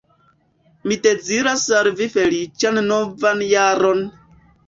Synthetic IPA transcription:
miteziɾasaɾvifelit͡ʃannovanjaɾon

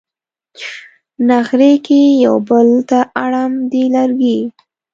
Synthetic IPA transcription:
naxɾekejawbəlt̪aʔaɽamd̪elaɾɡi

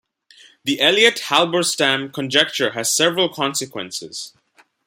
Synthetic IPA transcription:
ðiʔɛliɨthælˠbə˞stæ̃mkʰə̃nd͡ʒɛk̚t͡ʃə˞ɦɨz̥sɛvɹəlˠkʰɑ̃nsɨkwɛ̰̃nsɪ̰z̥

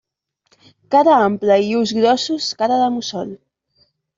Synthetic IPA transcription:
kaɾaampləiuzɣɾɔsuskaɾəðəmusɔl

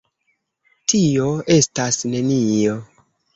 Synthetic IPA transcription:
tio̞e̞stasne̞nio

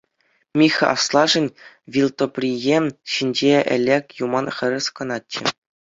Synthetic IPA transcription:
mʲixʲɑ̰slˠɑʐɘ̆nʲ | ʋʲilʲˠt̪opʲrʲijeɕinʲd͡ʑeɘ̰̆lʲekʲjumɑnχʲɘ̆ɾʲɘ̆skɤ̆nɑtʲːɘ̆

